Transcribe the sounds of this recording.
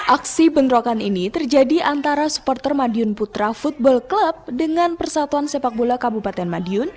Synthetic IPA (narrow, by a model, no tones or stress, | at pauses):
ʔaksibənɾokaninit̪ərd͡ʒadiʔant̪aɾasu̥pɔrt̪ərmadiʊnput̪ɾafut̪̚bɔlkləp̚dəŋanpərsat̪uansepak̚bolakabupat̪ɛnmadiʊn